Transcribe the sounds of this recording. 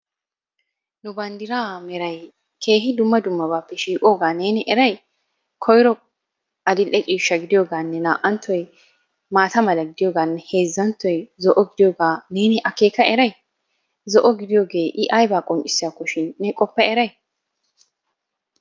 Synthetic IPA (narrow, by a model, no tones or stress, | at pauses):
nʊbɐnd̪ɪɾaːmɛɾɐj | kʰe̞ːɦɪd̪ʊmːɐd̪ʊmːɐbaːpːɛʃiːkʼoːɡaːne̞ːnɛʔɛɾɐj | kʰɔjɾɔ | ʔɐd̪ɪlʔɛt͡ʃʼiːʃːɐɡɪd̪ɪjoːɡaːnːɛnaːʔɐnt̪ːɔj | maːt̪ɐmɐlɐɡɪd̪ɪjoːɡaːnːɛhe̞ːzːɐnt̪ːɔjzɔʔɔɡɪd̪ɪjoːɡaːne̞ːnɛʔɐke̞ːkɐɛɾɐj | zɔʔɔɡɪd̪ɪjoːɡeːʔɪʔajbaːkʼɔnt͡ʃʼɪ̥sːɪjakːɔʃɪnːɛkʼɔpːɐɛɾɐj